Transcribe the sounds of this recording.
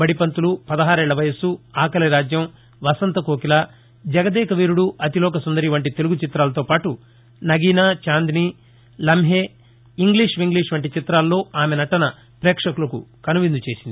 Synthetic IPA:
bɐɽipɐnt̪ulupɐd̪ɐɦaːɾɛːɭːɐʋɐjɐsuaːkɐlɐɾaːd͡ʒjɐm | ʋɐsɐnt̪ɐkoːkilɐ | d͡ʒɐɡɐd̪ɛːkɐʋiːɾuɽuɐt̪ilɔːkɐsund̪ɐɾiʋɐɳʈit̪eluɡut͡ʃit̪ɾaːlɐt̪o̞ːpaːʈu | nɐɡiːnaːt͡ʃaːnd̪iniː | lɐmɦeː | iŋɡliːʂʋiŋɡliːʂʋɐɳʈit͡ʃit̪ɾaːlːo̞ːaːmenɐʈɐnɐ | pɾɛːkʂɐkulɐkṵkɐnuʋind̪ut͡ʃe̞ːsind̪i

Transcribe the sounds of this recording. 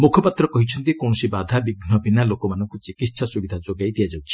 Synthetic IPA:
mukʰɔpat̪ɾɔkɔɦit͡ʃʰɔnt̪ikɔɽ̃ɔsibad̪ʱabiɡnɔbinalokɔmanɔŋkut͡ʃikit̪ːsasuɡid̪ʱad͡ʒoɡajd̪ijad͡ʒawt͡ʃʰi̥

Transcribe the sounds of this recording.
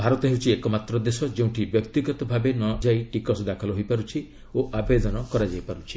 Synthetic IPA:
bʱaɾɔt̪ɔɦewt͡ʃʰiekɔmat̪ɾɔd̪esɔd͡ʒeũʈibjɔk̚t̪iɡɔt̪ɔbʱabenɔd͡ʒajʈikɔsd̪akʰɔlɔɦojpaɾut͡ʃʰi | oʔabed̪ɔnɔkɔɾad͡ʒajpaɾut͡ʃʰi̥

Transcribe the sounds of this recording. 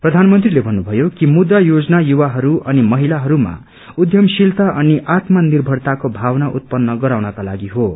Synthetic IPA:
prʌd̪ʱanmʌnt̪rilebʱʌnːubʱʌjokimud̪ːajod͡zʌnajuwaɦʌɾuʔʌnimʌɦilaɦʌɾuma̰ | ud̪ʱjʌmsilt̪ʌʔʌniʔat̪manirbʱʌrt̪akobʱawnaʔut̪̚pʌnːʌɡʌɾawnʌkala̰ɡiɦo

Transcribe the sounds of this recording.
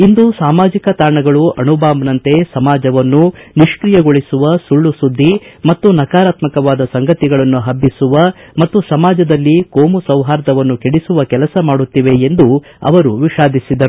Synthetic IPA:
ind̪usaːmaːd͡ʒikɐt̪aːɳɐɡɐɭuʔɐɳubaːmɐnɐnt̪e̞sɐmaːd͡ʒɐʋɐnːuniʃkɾijɐɡoɭisuʋɐsuɭːusud̪ʱːimɐt̪ːunɐkaːɾaːt̪mɐkɐʋaːd̪ɐsɐŋɡɐt̪iɡɐɭɐnːuɦɐbːisuʋɐmɐt̪ːusɐmaːd͡ʒɐd̪ɐlːikoːmusɐwɦaːɾd̪ɐʋɐnːukeɽisuʋɐkɛlɐsɐmaːɽut̪ːiʋe̞end̪u | ɐ̰ʋɐɾuʋiʃaːd̪ʱisid̪ɐɾ

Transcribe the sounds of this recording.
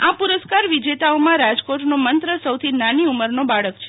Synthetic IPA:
apuɾəskaɾʋid͡ʒet̪aomãɾad͡ʒkoʈnomənt̪ɾəsəwt̪ʰinaniuməɾnobaɭəkt͡ʃʰe

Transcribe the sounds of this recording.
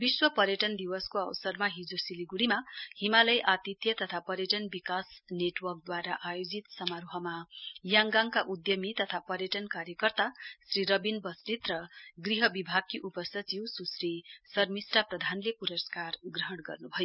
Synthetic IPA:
biswʌpʌɾjʌʈʌnd̪iwʌskoʌwsʌrmaɦid͡zosiliɡuɽimahimalʌjʔat̪it̪jʌt̪ʌt̪ʰapʌɾjʌʈʌnbikasneʈwʌrk̚d̪waɾaʔajod͡zit̪sʌmaɾuɦʌmajaŋɡaŋkaʔud̪jʌmit̪ʌt̪ʰapʌɾjʌʈʌnkaɾjʌkʌrt̪asriɾʌbinbʌsrit̪rʌɡriɦʌbibʱaɡ̚kiʔupʌsʌt͡siwsusrisʌrmisʈaprʌd̪ʱanlepuɾʌskarɡrʌɦʌɽ̃ɡʌ̰rnubʱʌjo

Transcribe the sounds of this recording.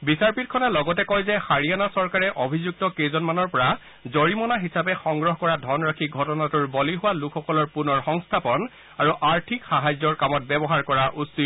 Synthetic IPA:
bisaɹpit̚kʰɔnalɔɡɔtɛkɔjzɛxaɹijanasɔɹkaɹɛʔobʱizuk̚tɔkezɔnmanɔɹpɔɹa | zoɹimɔnaɦisapɛxɔŋɡɹɔɦkɔɹadʱɔnɹakʰiɡʱɔtɔnatuɹbɔliɦʊwalukʰːɔkɔlɔɹpunɔɹxɔŋstʰapɔn | aɹuʔaɹtʰikxaɦazɔɹkamɔt̚bɛbɔɦaɹkɔɹaʔusit

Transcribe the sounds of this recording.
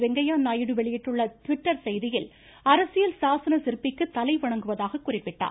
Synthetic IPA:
ʋɛŋɡɐjaːnaːjɪɽɯʋɛɭɪjɪʈːrɯɭːɐt̪ʊʋɪʈːɐɾsɛjðɪjɪl | ɐɾɐsɪjɐlsaːsɐnɐsɪɾɯpːɪkːɯt̪ːɐlɐɪʋɐɳɐŋɡɯʋɐðaːɣɐkːʊrɪpːɪʈːa̰ː

